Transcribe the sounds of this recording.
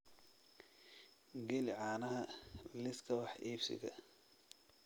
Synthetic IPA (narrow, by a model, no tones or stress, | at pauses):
ɡɛlɪʕɑːnɐɦɐlɪskʰɐwɑħʔiːfsɪ̰ɣɐ̰